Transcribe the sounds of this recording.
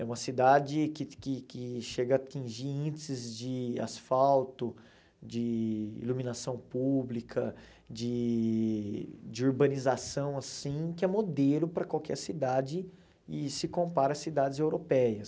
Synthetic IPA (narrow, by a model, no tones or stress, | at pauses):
ɛũmɐsid̪ad͡ʒɪkɪkɪkɪʃeɡɐaːt͡ʃĩʒiɾĩnd͡ʒɪsɪzd͡ʒɪa̰sfawt̪ʊ | d͡ʒɪḭlumĩnasɐ̃w̃publikʰɐ | d͡ʒɪ | d͡ʒɪuɾbɐ̃nizasɐ̃w̃asĩkɪɛmod̪elʊpɾɐkwawkʰɛɾsid̪ad͡ʒɪ | ɪsɪkõpaɾɐsid̪ad͡ʒɪzewɾopɛjɐs